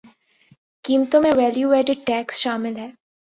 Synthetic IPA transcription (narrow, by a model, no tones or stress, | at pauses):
kiːmt̪õmẽʋɛːljuʋeːɖɪɖ̚ʈɛːksʃaːmɪlɦɛː